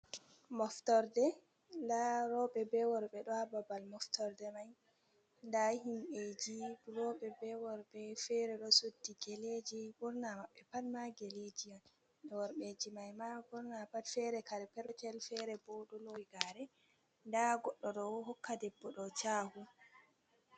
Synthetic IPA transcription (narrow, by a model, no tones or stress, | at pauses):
mɔftɔɾdɛ | ndaɾɔɓɛbɛwɔɾɓɛɗɔhababalmɔftɔɾdɛmaj | ndahimɓed͡ʒiɾɔɓɛbɛwɔɾbɛfɛɾɛɗɔsodːiɡeled͡ʒibuɾnamaɓːɛpadmaɡeled͡ʒijan | ɗɛwɔɾɓed͡ʒimajmaɓuɾnapadfɛɾɛkaɾɛpɛɾt͡ʃɛlfɛɾɛbɔɗɔlojɡaɾɛ | ndaɡɔɗːɔɗɔɦɔkːadɛbːɔɗɔt͡ʃaːhu